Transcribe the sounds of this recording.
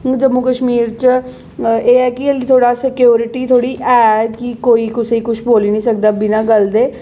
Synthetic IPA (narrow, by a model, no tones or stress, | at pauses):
d͡ʒəmʊkəʃmiːɾt͡ʃ | eːɛːkɪəliːt̪ʰoːɽaːsɪkɪjoːɾɪʈiːt̪ʰoːɽiːʔɛːkikoːiːkʊseiːkʊʃʰboːliːnĩːsək̚d̪aːbɪnãːɡəld̪eː